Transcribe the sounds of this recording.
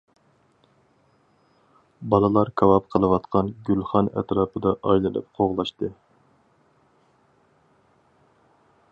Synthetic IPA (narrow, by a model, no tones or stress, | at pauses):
bɑlˠɨlˠɑɾkʰɑwɑp̚qʰəlˠɨwɑt̪qʰɑnɡʲylχɑnɛ̰t̪ɾɑːpʰɨd̪ɑʔɑjlˠɨlɨ̰p̚qʰoʁlˠɑʃt̪ɨ